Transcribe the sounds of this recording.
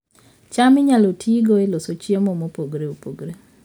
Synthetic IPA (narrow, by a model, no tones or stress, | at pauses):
t͡ʃamɪɲalotʰiɡoelosot͡ʃjemomopoɡɾeupoɡɾe